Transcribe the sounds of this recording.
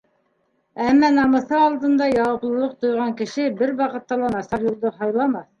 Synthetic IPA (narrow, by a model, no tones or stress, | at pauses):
æmːænɑmɤ̆θɤɑlˠd̪ɤ̆nd̪ɑjɑwɤ̆plˠɤ̆lˠɤq̚t̪ŏjʁɑŋkɘ̆ʃɘbɘɾwɑqɤ̆t̪ːɑlˠɑnɑsɑɾjŭlˠd̪ɤɦɑjlˠɑmɑθ